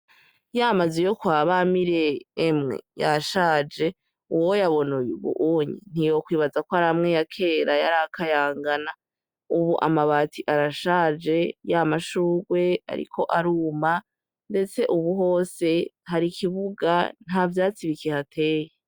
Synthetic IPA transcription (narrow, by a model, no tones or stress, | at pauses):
jamazejo̞kwaːβamiɾe̞ːmŋḛjaʃad͡ʒe̞ | uwojaβo̞nujṵβṵʔuɲḭn̥ijo̞kwiːβazakoaɾaamŋejakʰe̞ɾajaɾakajaːŋɡana | uβuʔa̰maβaːtʰiʔaɾaʃad͡ʒe̞jamaʃuːɡwe̞a̰ɾḭkʰo̞ʔaɾuːma | nde̞t͡se̞ʔuβuɦo̞ːse̞haɾikʰiβuɡan̥havjaːt͡siβikehatʰe̞ːje